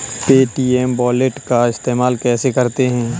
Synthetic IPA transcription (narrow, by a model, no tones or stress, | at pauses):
peːʈiːɛmbɔːleʈkaɪst̪eːmaːlkɛːsekɐɾt̪eɦɛ̃ː